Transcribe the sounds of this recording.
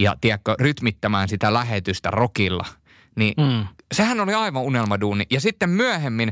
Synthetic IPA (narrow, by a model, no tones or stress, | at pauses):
jɑ̰t̪iækːøryt̪mit̪ːæmæːnsit̪ælæhet̪yst̪æ̰rokilːɑ̰ | nisehænoliɑiʋɑunelmɑduːnijɑsit̪ːemmyæhemːin